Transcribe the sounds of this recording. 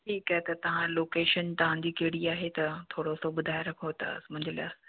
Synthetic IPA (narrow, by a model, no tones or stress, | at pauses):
ʈʰiːkaɦet̪ɐt̪ɐʋ̤ãloːkeːʃənt̪ɐʋ̤ãd͡ʑiːkeːɽiaːɦet̪ɐt̪ʰoːɽosoɓʊd̪ʱaːeɾɐkʰot̪a̰ːsmʊ̃ɦɪ̃ɲd͡ʑɪlja̰ːs